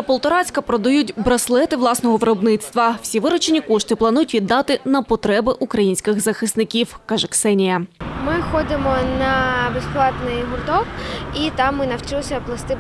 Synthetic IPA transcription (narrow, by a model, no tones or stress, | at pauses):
pɔlˠt̪ɔɾɑt͡sʲkɐpɾɔd̪ɐjutʲbɾɐslˠɛt̪ɪʋlˠɑsnɔɦɔʋɪɾɔbnɪt̪st̪ʋɐw̥sʲiʋɪɾɔt͡ʃenʲikɔʃt̪ɪplˠɐnujʊtʲʋʲid̪ːɑt̪ɪnɐpɔt̪ɾɛbɪʔukɾɐjinʲsʲkɪɣzɐxɪsnɪkʲiwkɑʒɛksɛnʲijɐmɪxɔd̪ɪmɔnɐbesplˠɑt̪nɪjɦʊrt̪ɔkit̪ɑmːɪnɐwt͡ʃɪlˠsʲɐplˠɐst̪ɪ